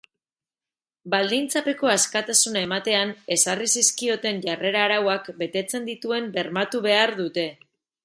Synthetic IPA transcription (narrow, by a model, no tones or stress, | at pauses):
bald̪int͡sape̞ko̞askat̪asunae̞mat̪e̞ane̞sarisiskio̞t̪e̞nʝare̞ɾaːɾawakbe̞t̪e̞t͡se̞nd̪it̪ue̞mbe̞ɾmat̪uβe̞aɾðut̪e̞